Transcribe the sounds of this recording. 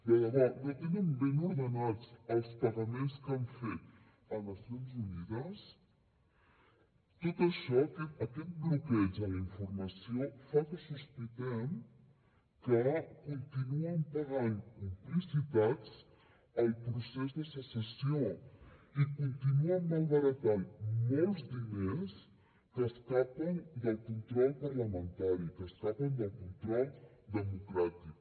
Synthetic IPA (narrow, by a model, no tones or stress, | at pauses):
dəɣəðanot̪enəmbenuðənɔt͡səlˠspərəmenskaɱfet̪ | əməsunzuniðəs | t̪ot̪əʃɔkəəkɛt̪̚blukɛd͡ʒələiɱfurməsiofat̪əsəsplikɛm | kəkunt̪inuəmpəɣanimplisit̪at͡s | əlˠpɾusɛzðəsəsəsio | ikunt̪inuəmːalɣəɾət̪anmolˠzd̪ines | kəskapənd̪əlˠkunt̪ɾɔʎpɐɾləmə̃nt̪aɾikəskapənd̪əlˠkunt̪ɾɔld̪əmukɾat̪ik